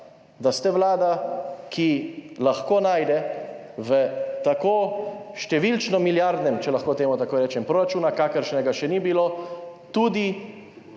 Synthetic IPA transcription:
d̪ast̪ɛʋlaːd̪akʰilaxkoːnaːjd̪ɛ | ʋət̪akoːʃt̪ɛʋilt͡ʃnɔmiljaɾd̪nɛmt͡ʃɛlaxkoːt̪eːmut̪akoːjɾɛːt͡ʃɛmpɾoːɾat͡ʃuːnakakəɾʃnɛɡaʃɛnibiloːt̪uːd̪i

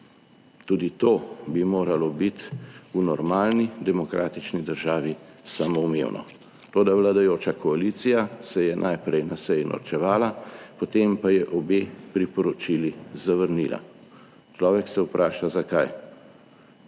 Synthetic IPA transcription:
t̪uːd̪it̪oːbimoːɾalɔbit̪unɔɾmaːlnid̪ɛmɔkɾʔa̰ːt̪it͡ʃnid̪əɾʒaːʋisaːmɔumḛwnʔɔ̰ | t̪oːd̪aʋlad̪ajoːt͡ʃakɔalit̪sijasɛjɛnʔajpɾɛjnasɛjinɔ̰ɾt͡ʃɛʋaːlapɔt̪empajɛʔɔbeːpɾipɔɾɔt͡ʃilizaʋəɾnila̰ | t͡ʃlɔːʋɛksɛwpɾʔaːʃazakaj

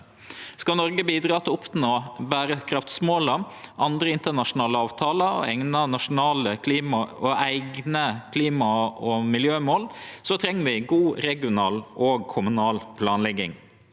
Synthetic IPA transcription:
skɑnɔɾɡəbiːd̪ɾɑːt̪ʰɪlʊpʰt̪noːbæːɾəkʰɾɑft̪smoːləʔɑnd̪ɾəɪnt̪ənɑʂʊnɑːləɑːʋt̪ʰɑːləɔ̰ɛŋnənɑʂʊnɑːləkʰliːmɑɔæɪɡnəkʰliːmɑɔmɪljøːmoːlsɔt̪ʰɾɛŋːəʋɪɡuːɾɛɡɪʊnɑːlʔɔːɡ̚kʰʊmʉnɑːlpʰlɑːnlɛɡɪ̰ŋ

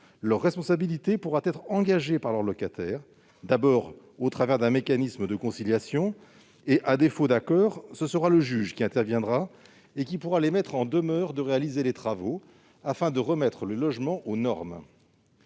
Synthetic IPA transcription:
lœʁːɛspɔ̃sabilit̪epuʁat̪ɛt̪χɑ̃ɡaʒepaʁlœʁlɔkat̪ɛːʁ | d̪abɔʁ | ot̪χavɛʁd̪ɛ̃mekanisməd̪əkɔ̃siljasjɔ̃ | eʔad̪efod̪akɔːʁsəsəʁaləʒyʒkʲiɛ̃t̪ɛʁvjɛ̃d̪ʁa | ekʲipuʁalemɛt̪χɑ̃d̪əmœʁd̪əʁealizelet̪χavo | afɛ̃d̪əʁəmɛt̪χələlɔʒmɑ̃ʔonɔʁm

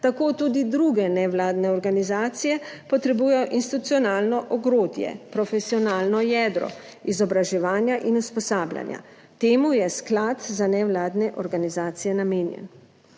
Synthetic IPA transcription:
t̪akoːt̪uːd̪id̪ɾuɡɛnɛʋlaːd̪nɛɔɾɡanizaːt̪sijɛpɔt̪ɾɛbuːjɛjɔʔinsit̪ut̪siɔnaːlnɔʔɔɡɾoːd̪jɛ̰pɾɔfɛsiɔnaːlnɔjɛd̪ɾɔ̰ | izɔbɾaʒɛʋaːnjaʔinuspɔsaːblʲja̰nja̰ | t̪eːmujɛsklat̪zanɛwlaːd̪nɛʔɔɾɡanizaːt̪sijɛnameːnjɛ̰n

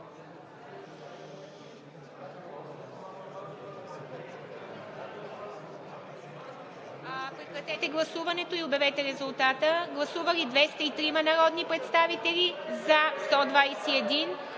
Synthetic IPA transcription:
pɾɛkɾɐt̪ɛt̪ɛɡlˠɐsuvɐnɛt̪oiʊbjɐvɛt̪ɛɾɛzʊlˠt̪at̪əɡlˠɐsuvəlid̪vɛst̪əit̪ɾimɐnɐɾɔd̪nipɾɛt̪st̪avit̪ɛlizɐst̪ɔd̪vajsiɛd̪in

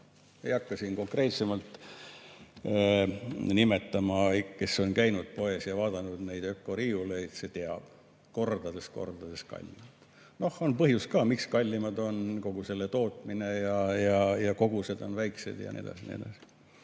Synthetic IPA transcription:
ejɑkːɑsinko̞ŋkre̞ːt̪se̞mɑlt̪ | nime̞t̪ːɑmɑke̞so̞nkæjnud̪̥̚po̞e̞sjɑvɑːd̪̥ɑnud̪̥nejd̪økːˑo̞ɾiːulejt̪se̞t̪eɑb̥ | ko̞rd̪̥ɑd̪e̞sko̞̰rd̪̥ɑd̪e̞skɑ̰lʲːimɑd̪̥ | no̞honpɤɦjuskɑːmikskɑlʲːimɑd̪o̞nko̞ɡ̥use̞lːe̞t̪o̞ːt̪ˑmine̞jɑjɑjɑko̞ɡ̥use̞d̪o̞̰nvæjkse̞̰d̪̥jɑ̰nʔḭḛd̪ɑ̰sinḭḛd̪ɑ̰si̥

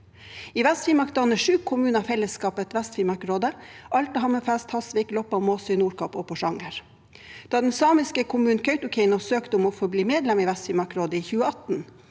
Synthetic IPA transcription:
iːʋɛst̪fiːmɑkd̪ɑnəʂʉːkʰʊmʉːnɑfɛləskɑːpət̪ʋɛst̪fimɑkɾoːd̪əʔɑlʈ̪əɦɑməfæst̪hɑsʋɪklɔpɑmoːsɪnuːɾkʰɑpɔːpʰɔʂɑŋəɾ | d̪̥ɑːd̪ɛnsɑːmɪskəkʰʊmʉːn̩kʰœʏt̪ʊkʰɛɪnɔsøːkt̪əɔmɔfɔbliːmeːd̪lɛmiʋæst̪fiːmɑkɾoːd̪əiːçʉːəɑt̪n̩

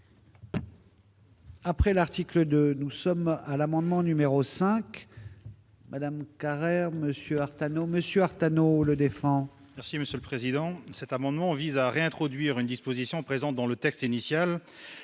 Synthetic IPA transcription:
apχɛlaʁt̪ikləd̪ønusɔmalamɑ̃d̪mɑ̃nymeʁosɛ̃k | mʔad̪amkaʁɛʁməsjøaʁt̪anoməsjøaʁt̪anoləd̪efɑ̃ | mɛʁsiməsjøləpχezid̪ɑ̃sɛt̪amɑ̃d̪mɑ̃vizaʁeɛ̃t̪χɔd̪ɥiʁynd̪ispozisjɔ̃pχezɑ̃t̪̚d̪ɑ̃lət̪ɛkst̪inisjal

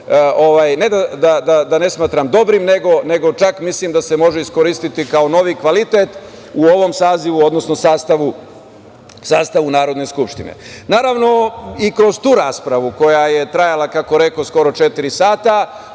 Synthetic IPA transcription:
ʔo̞ʋaːjne̞d̪ad̪ad̪ad̪ane̞smaːt̪ɾamd̪o̞bɾimne̞ɡo̞ne̞ɡo̞t͡ʃakmislimd̪ase̞mo̞ʒeiskoɾist̪it̪ikaono̞ʋikʋalit̪et̪ | uo̞ʋo̞msaːziʋuo̞d̪nosno̞saːst̪aʋu | saːst̪aʋunaːɾo̞d̪ne̞skupʂt̪inḛnaːɾaʋno̞ikɾo̞zt̪uːɾaːspɾaʋuko̞jaje̞t̪ɾajalakako̞ɾe̞ko̞sko̞ɾo̞t͡ʃet̪iɾisaːt̪a

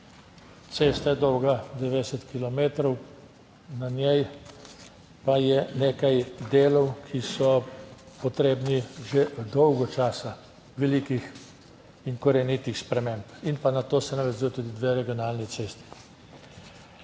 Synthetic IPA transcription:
t̪seːst̪ajɛd̪ɔwɡad̪ɛʋɛd̪ɛsɛt̪kilɔmeːt̪ɾɔw | nanjɛj | pajɛneːkajd̪eːlɔwkʰisɔ | pɔt̪ɾeːbniʒed̪ɔwɡɔt͡ʃaːsa | ʋɛlikix | iŋkɔɾɛnit̪ixspɾɛmẽmpinpanat̪oːsɛnaʋɛzujɔt̪ud̪id̪ʋeːɾɛɡjɔnaːlnit̪seːst̪i̥

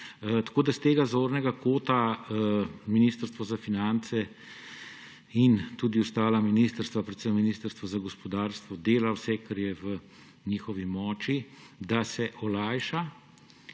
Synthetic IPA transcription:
t̪ḁkoːd̪ast̪eːɡazoːɾnɛɡakoːt̪a | minist̪əɾst̪ʋɔzafinant̪sɛ | int̪uːd̪iɔst̪aːlaminist̪əɾst̪ʋapɾɛt̪səmːiniːst̪əɾst̪ʋɔzaɡɔspɔd̪aːɾst̪ʋɔd̪eːlawsɛkaɾjɛʋə | ɲiːxɔʋimɔːt͡ʃid̪asɛʔɔlaːjʃa

